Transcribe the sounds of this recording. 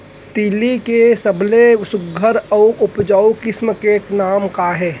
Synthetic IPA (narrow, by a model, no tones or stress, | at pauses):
t̪iːlikesəblesʊɡʱəɾɔʊʊpd͡ʒaːukɪsmkenaːmkaɦɛː